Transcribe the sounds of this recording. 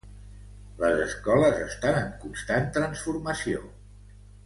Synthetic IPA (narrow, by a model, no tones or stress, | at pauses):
ləzəskɔləzəst̪anəŋkunst̪ant̪ɾənsfuɾməsio̰